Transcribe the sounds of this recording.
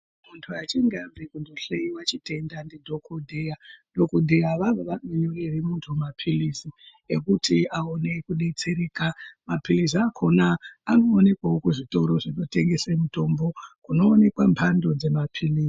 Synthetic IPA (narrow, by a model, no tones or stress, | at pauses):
muntʰuat͡ʃiŋɡambekundoɬeiwat͡ʃite̞ndandidʱo̞kʰodʱejado̞kodʱejaʋaʋoʋamiɲurerimuntʰumapʰilisi | ekutʰiaonekuɗe̞t͡se̞ɾeːkamapiliziakʰonaːnoːne̞kwaokuʐito̞ɾo̞ʐino̞te̞ŋɡe̞semuto̞mbo̞kuno̞ːne̞kwampʰando̞d͡ze̞mapʰiliː